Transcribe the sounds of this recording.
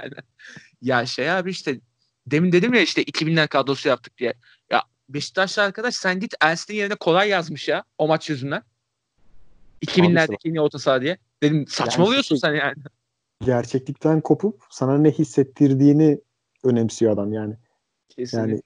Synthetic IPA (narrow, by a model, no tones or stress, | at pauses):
an | jaʃejaːbiiʃt̪ʰɛ | d̪e̞mind̪e̞d̪imjaiʃt̪ɛʔicʰibinʲæɾkʰad̪osujap̚t̪ʰɯ̥k̚d̪ijɛ | ja̰ | be̞ʃi̥t̪ːat͡ʃlˠaaɾkʰad̪aʃsænɟit̪æɾsininje̞ɾinɛkʰo̞lˠajːazmɯʃjao̞mat͡ʃt͡ʃøzynd̪æn | icʰibinlʲæɾd̪cʰʲiinio̞t̪ʰasaːd̪ijɛ | d̪̥e̞d̪imsat͡ʃmaolˠujo̞sunsænjaːnɪ | ɟæɾt͡ʃʰɛclʲict̪ʰænkʰo̞pʰup̚sananɛhisːɛt̪ʰːiɾd̪iːni | ø̞nɛmsijoad̪amjaːnɪ | cʰesjaːnɪ